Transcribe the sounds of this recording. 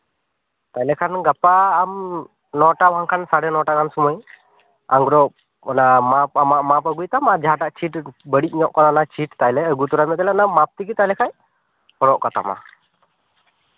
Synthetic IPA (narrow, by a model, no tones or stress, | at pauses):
t̪ajlɛkʰanɡapaːm | nɔʈawaŋkʰansaɽɛnɔʈakʰansɔmɔj | aŋɡɾɔ | ɔnamapamaʔmapəɡujt̪amad͡ʒaɦaʈaʔt͡ʃʰiʈbəɽic̚ˀɲɔʔkɔt̪anat͡ʃʰiʈt̪ajlɛəɡut̪uɾamɛt̪ɛlɛnamap̚t̪ikit̪ajlɛkʰaj | pɔɽɔʔkat̪a̰ma̰